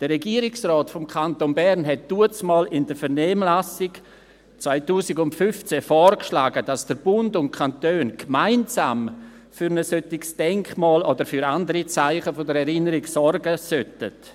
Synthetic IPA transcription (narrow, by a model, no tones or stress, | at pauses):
d̥əːɛɡiːəɾɪksrɔːtfomkʰantonbɛɾnɦɛt̚d̥uət͡smɑːlɪndəfəɾnɛːmlasɪɡ | t͡svaɪtuːsɪɡʊntfʏft͡sɛfɔːɾkʃlaːɡəd̥asd̥əɾb̥ʊndʊnt̚kʰantøːnkmaɪnsaːm | fyɾnəsøtɪɡsd̥ɛŋkmɑːlodəɾfyɾandəɾit͡saɪχəfodəɾɛɾɪnəɾiɡsɔrɡəsøtə̰t